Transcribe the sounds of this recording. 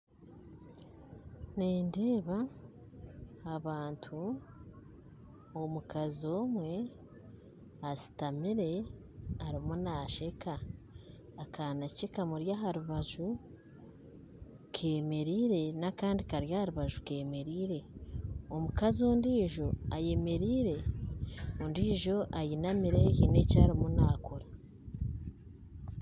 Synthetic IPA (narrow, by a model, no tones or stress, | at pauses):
neːnde̞ːβa | βaːntʰu | omukazio̞ːmwe̞ | asi̥tamiɾe̞ | aɾimunaʃe̞kʰaː | kʰanacekamuɾjaɦaɾuβaʒu | kʰe̞ːme̞ɾiːɾe̞nakaːndikaɾjahaɾuβaʒuke̞ːme̞ɾiːɾe̞omukazoːndiːʒo̞aje̞me̞ɾiːɾe̞ | ondiːʒo̞ʔajinamiɾe̞hine̞caːɾimunaːkoɾa